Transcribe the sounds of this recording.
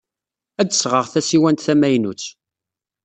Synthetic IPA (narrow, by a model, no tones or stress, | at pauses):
æd̪əsʁəʁθæsiwænt̪θæmæjnut͡sː